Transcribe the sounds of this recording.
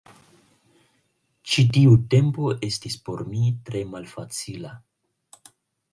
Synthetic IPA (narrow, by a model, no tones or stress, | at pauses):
t͡ʃitiute̞mpo̞ʔe̞stispo̞ɾmitɾe̞malfat͡sila